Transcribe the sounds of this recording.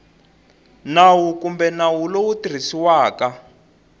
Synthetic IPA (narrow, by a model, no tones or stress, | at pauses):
nawukumbɛnawulowutir̤isiwaːka